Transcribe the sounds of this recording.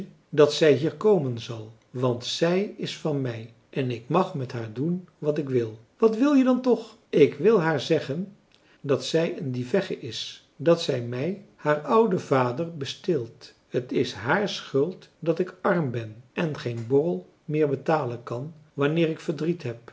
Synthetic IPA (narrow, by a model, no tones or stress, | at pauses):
dɑtsɛjɦiːɹkowmənzɑlˠ | ʋɑntsɛjɪsfɑnmɛj | ʔɛnɪkmɑχmɛtɦaːɹdunʋɑtɪkʋɪlˠ | ʋɑtʋɪlˠjədɑntɔχ | ɪkʋɪlˠɦaːɹzɛχən | dɑtsɛjəndivɛχəʔɪs | dɑtsɛjmɛjhaːɹʌwdəvaːdəɹbəstɪlˠt | hətɪsɦaːɹsχɵlˠtdɑtɪkɑɹmbɛnʔɛnχejnbɔrəlˠ | mɪːɹbətaːlənkɑnʋɑnɪːɹɪkfəɹdritɦɛp̚